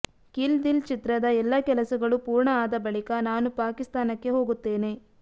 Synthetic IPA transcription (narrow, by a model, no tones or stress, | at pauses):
kild̪ilt͡ʃit̪ɾɐd̪ɐɛlːɐkɛlɐsɐɡɐɭupuːɾɳɐaːd̪ɐbɐɭikɐnaːnupaːkist̪aːnɐkːe̞ɦo̞ːɡut̪ːe̞ːne̞